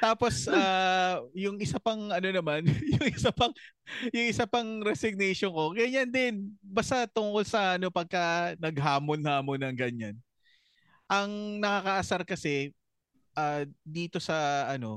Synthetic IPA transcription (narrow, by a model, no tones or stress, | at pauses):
t̪aːpo̞saːjʊŋʔɪsapɐŋʔɐno̞nɐmanjʊŋɪsapɐŋjʊŋʔɪsapɐŋɾɛsɪɡ̚nɛjʃonko̞ɡɐɲand̪ɪnbɐst̪at̪ʊŋkolsɐʔɐno̞pɐɡ̚kɐnɐɡɦaːmonhaːmonɐŋɡɐɲan | ʔɐŋnɐkɐkɐʔɐsaɾkɐsɛ | ʔaːd̪iːt̪o̞sɐʔɐno̞̰